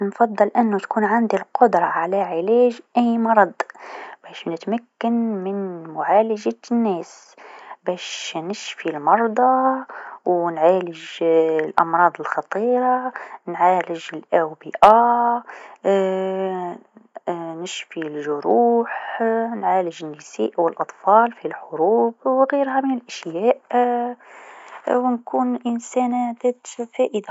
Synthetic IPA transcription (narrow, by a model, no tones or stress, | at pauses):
nfɑd̪ˤːɨlʔɪnːut̪kuːnʕand̪ilqʊd̪ɾˤɑʕalaʕɪlæːʒʔɪjmɑɾˤɑd̪ˤb̥æːʃnɪt̪makːanmɪnmʊʕaːlaʒanːæːs | bæːʃnɪʃfilmɑɾˤd̪ˤɑ | wnʕaːlɪʒlʔɑ̰mɾˤɑːd̪ˤɪlxɑt̪ˤiːɾˤɑnʕaləʒəlʔæbiʔa | nəʃfilʒʊɾuħnʕaləʒənːisḭːʔwəlʔɑt̪ˤfɑlfilħʊɾuːb̚ɣiɾhæmənəlʔæʃjæʔ | wnkuːnʔənsænθæt̪fæʔəd̪a